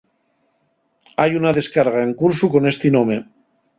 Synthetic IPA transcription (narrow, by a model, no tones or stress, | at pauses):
ajunað̞e̞skaɾɣ̞aeŋkuɾsukonest̪inõme